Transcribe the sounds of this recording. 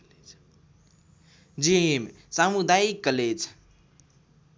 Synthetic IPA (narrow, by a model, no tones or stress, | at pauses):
d͡ʒim | samud̪aikːəled͡ʒ